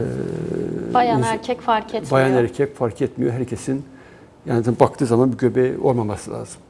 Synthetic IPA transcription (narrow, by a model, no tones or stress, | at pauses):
bajaæɾcʲʰɛcfaɾcʰɛt̪bajanæɾcʰɛcfaɾcʰɛt̪mijo̞ɦæɾcʰesin | jaːnisabakt̪ʰɯːzamanbiɟø̞bɛo̞ɾmamasɯlʲˠa̰ːzɯm